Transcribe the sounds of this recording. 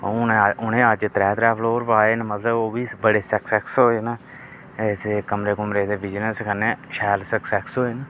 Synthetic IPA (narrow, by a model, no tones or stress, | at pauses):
oneʊnẽːəd͡ʒt̪ɾɛːt̪ɾɛːpʰloːɾpaːeːnmət̪ləboːbiːbəɽeːsəksɛksɦoːeːnaː | sekəmɾeːkəmɾeːd̪eːbɪd͡ʒnəskəneːʃɛːlsəksɛksɦoːeːneː